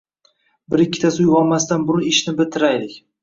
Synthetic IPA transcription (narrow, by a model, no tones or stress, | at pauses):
bɪɾɪkʲːɪ̥t̪ʰasʊjʁɒlˠmast̪anbʊɾʊnɪʃnɪbɪlt̪ʰɪɾajlɪkʲ